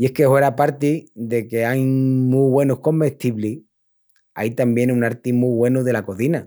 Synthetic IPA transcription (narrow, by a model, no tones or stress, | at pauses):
ie̞hkehwe̞ɾapaɾt̪iðe̞ke̞ajmuβwe̞nuhko̞mbeht̪iβli | a̰it̪ambje̞nunaɾt̪imuɣwe̞nuðe̞lako̞θina